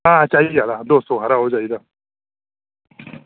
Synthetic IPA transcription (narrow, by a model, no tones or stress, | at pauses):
at͡ʃaialad̪osoɦaɾaod͡ʒaid̪a